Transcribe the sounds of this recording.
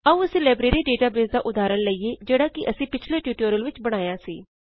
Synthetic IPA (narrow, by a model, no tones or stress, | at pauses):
əũːsɪleːbɾeːɾiːɖeːʈaːbeːzd̪aːʔʊd̪aːɾəɳləiːeːd͡ʒeːɽaːkɪʔəsĩːpɪt͡ʃʰleːʈjuːʈoːɾəlʋɪt͡ʃbəɽ̃aːjaːsḭː